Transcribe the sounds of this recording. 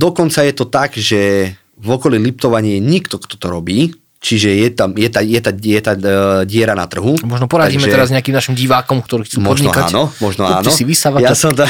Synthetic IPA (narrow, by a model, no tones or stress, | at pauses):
d̪ɔkɔnt͡sajɛt̪ɔt̪aɡʒɛ | vɔkɔlilip̚t̪ɔʋaɲɪɛjɛɲikt̪ɔkt̪ɔ̥t̪ɔɾɔbiː | t͡ʃiʒɛjɛt̪amjɛt̪ajɛt̪ajɛt̪aɟɪɛɾana̰t̪r̩ɦumɔʒnɔpɔɾaiːmɛtɛɛɾazɲɛakimnaʃimɟiʋaːkɔmkt̪ɔɾiːxt͡suːmpɔdʒɲiɔkaa̰ːnɔmɔʒnɔa̰ːnɔsiʋisaʋajasɔmt̪a